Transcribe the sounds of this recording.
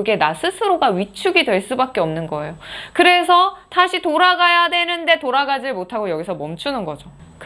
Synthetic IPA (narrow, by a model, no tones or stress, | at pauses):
ɡe̞nasʰɯsʰɯɾoɡaɥit͡ɕʰuɡidwe̞ɭs͈ubak͈e̞ʌmnɯnɡʌe̞jokɯɾe̞sʰʌtaɕʰitoɾaɡajadwe̞nɯnde̞toɾaɡad͡ʑiɭmotʰaɡojʌɡisʰʌmʌmt͡ɕʰunɯnɡʌd͡ʑok